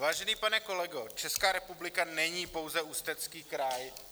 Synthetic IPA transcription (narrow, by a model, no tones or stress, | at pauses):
vaːʒɛniːpanɛko̞lɛɡot͡ʃɛskaːɾɛpublɪkanɛɲiːpo̞wzɛust̪ɛt͡skiːkɾaj